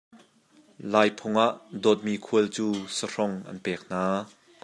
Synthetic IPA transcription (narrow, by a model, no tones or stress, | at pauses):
laːjpʰʊŋʔaʔdɔːt̪̚miːkʰuəlt͡suːsər̥ɔŋʔɐ̰npɛːk̚n̥aː